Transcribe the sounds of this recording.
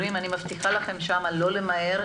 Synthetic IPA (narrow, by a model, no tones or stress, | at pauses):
imanimaft̪iχalaχe̞mʃamalo̞le̞mae̞ʁ